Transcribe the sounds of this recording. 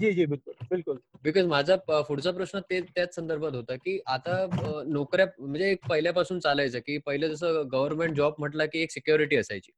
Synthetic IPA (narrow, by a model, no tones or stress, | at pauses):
d͡ʑid͡ʑibɪlkulbɪlkulbikɔzmad͡zʱafuɽt͡sap̬ɾəsɳət̪ːet̪jat͡ssənd̪əɾbʱat̪ɦot̪akiːʔat̪anokɾjam̤əɳd͡zeːk̚pəɦiljapasuːnt͡salajt͡səkiːpəɦiled͡zəs̬əːɡəʋəɾmẽɳʈ̚d͡ʑɔb̚m̤əʈlakiːeksikjoɾiʈiːəsajt͡ɕḭː